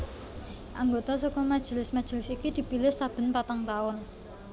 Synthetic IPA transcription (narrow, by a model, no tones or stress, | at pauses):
ʔaŋɡot̪asokɔmad̥ʒ̥i̤lɪsmḁʒ̥i̤lɪsikid̪̥i̤pilɪhsab̥ə̤npat̪aŋt̪aʊn